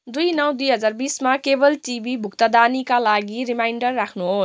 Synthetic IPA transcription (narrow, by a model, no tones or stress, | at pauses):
d̪ujnʌwd̪ujɦʌd͡zarbismakebʌlʈibibʱukt̪ʌd̪anikalaɡiɾimajɳɖʌrːakʰnuɦos